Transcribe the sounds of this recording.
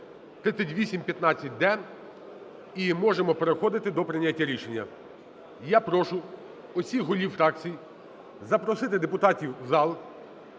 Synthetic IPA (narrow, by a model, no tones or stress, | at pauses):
t̪ɾɪt̪sʲɛtʲʋʲisʲimpʲjɐt̪nɑt͡sʲːɐt̚ʲd̪ɛ | imɔʒemɔpeɾexɔd̪ɪt̪ɪd̪ɔpɾɪnʲatʲːaɾʲiʃenʲːɐ̰ | japɾɔʃʊ | ɔsʲixɦɔlʲiwfɾɑkt͡sʲiji | zɐpɾɔsɪt̪ɪd̪epʊt̪ɑtʲiwzɑlˠ